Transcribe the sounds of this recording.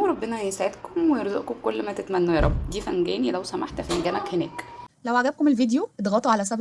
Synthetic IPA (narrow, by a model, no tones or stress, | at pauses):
ɾˤɑbːenæjesʕed̪komwejeɾzoʔkomkolːmæt̪et̪mænːujɑɾˤɑbd̪iːfæŋɡæːnilæwsæmaħt̪fæŋɡæːnækhenæ̰ːklæwʔʕaʕɡæb̚komelvid̪joet̪ɣɑːt̪ˤuʕalæs̬æb